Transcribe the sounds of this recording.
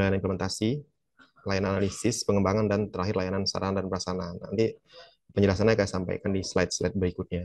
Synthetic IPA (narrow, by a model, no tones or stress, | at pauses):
aanimpləmɛnt̪asi | lajanananalisɪspəŋəmbaŋandant̪əɾaɦɪrlajanansa̰ɾaɦandanbəɾasanana̰nt̪i | pəɲd͡ʒəlahs̬anaɲakajasampa̰jkandislaɪt̪̚slaɪt̪̚bəɾikʊt̪̚ɲa